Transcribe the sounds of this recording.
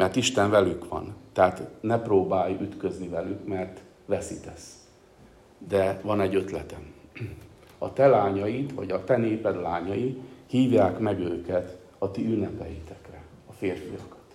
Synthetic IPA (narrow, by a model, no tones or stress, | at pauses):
mɛrt̪iʃt̪ɛɱvɛlykʋɒ̰nt̪ɛaːt̪nɛproːbaːjyt̪kø̞znivɛlykmɛrt̪ | ʋɛsit̪ɛs | d̪ɛvɒnɛɟːø̞t̪lɛt̪ɛm | ɒt̪ɛlaːɲɒjit̪ʋɒ̰ɟɒt̪ɛneːpɛd̪laːɲɒjihiːvjaːkmɛɡøːkɛt̪ | ɒt̪iynːɛpɛjit̪ɛkrɛ | ɒfeːrfijɒkɒ̥t̪